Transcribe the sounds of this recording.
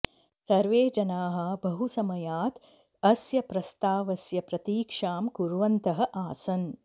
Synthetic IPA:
sɐɾʋeːd͡ʒɐnaːɦɐ̆bɐɦusɐmɐjaːt̪ | ɐsjɐpɾɐst̪aːʋɐsjɐpɾɐt̪iːkʂaːmkuɾʋɐnt̪ɐɦɐ̆ʔaːsɐn

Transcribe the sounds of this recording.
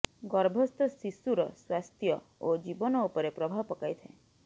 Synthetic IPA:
ɡɔɾbʱɔst̪ɔsisuɾɔswast̪ʰjɔ | od͡ʒibɔnɔupɔɾepɾɔbʱapɔkajt̪ʰḛ̃

